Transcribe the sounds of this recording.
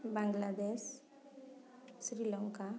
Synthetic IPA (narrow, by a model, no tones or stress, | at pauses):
baŋɡlad̪es | sɾilɔŋka